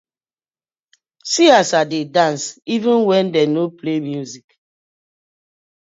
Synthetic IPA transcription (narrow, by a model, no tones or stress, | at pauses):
siasadedãnsivɪ̃nwɛ̃ndɛnoplemjuzik